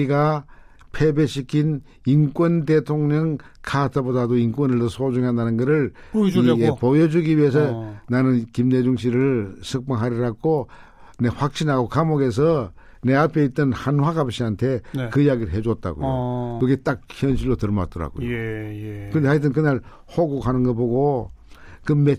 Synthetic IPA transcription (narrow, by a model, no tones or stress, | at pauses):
iɡa | pʰe̞beɕʰikʰin | ink͈wʌndetʰoŋɲʌŋkʰatʰabodadoinkwʌnɯɭtɯsʰod͡ʑuŋɦandanɯnɡɯɾɯɭ | jepojʌd͡ʑuɡiɥiɦe̞s̬ʰʌnanɯnkimne̞d͡ʑuŋɕ̬ʰiɾɯɭsʰɯk̚p͈aŋɦaɾiɾaɡo | ne̞ɸwak̚ɕ͈ʰinɦaɡokamoɡe̞s̬ʰʌ | ne̞apʰe̞it͈̚ʌnhanhwaɡapɕ͈ʰiantʰe̞kɯijaɡiɾɯɭɦe̞d͡ʑot̚t͈a̰ɡo̰o̰kɯɡet͈ak̚çjʌnɕʰiɭːotɯɭma̰t̚t͈ʌɾa̰ɡo̰jo | kɯɾndeait̬͈ːɯnk̬ɯnaɭ | hoɡukhanɯnɡʌboɡo | kɯme